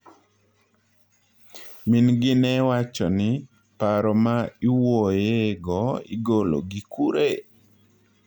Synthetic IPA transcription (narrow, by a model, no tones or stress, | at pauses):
mɪnɡɪnɛwat͡ʃɔnɪ | paɾɔmaiwojeɡɔḭɡolo̰ɡikuɾe